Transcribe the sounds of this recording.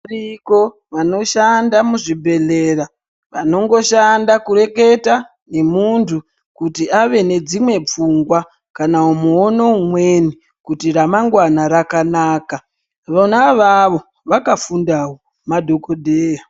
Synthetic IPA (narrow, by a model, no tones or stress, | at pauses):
riko̞ | ʋano̞ʃandamuʐibʱe̞le̞ra | ʋano̞ŋɡo̞ʃandakure̞ke̞ta | ne̞muntʰu | kutiaʋe̞ne̞d͡zimwe̞p͡fuŋɡwa | kanaumuonoumwe̞ni | kutiramaŋɡwanaɾakanaːka | ʋonaʋaʋo̞ | ʋakafundawo | madʱo̞kodʱeːja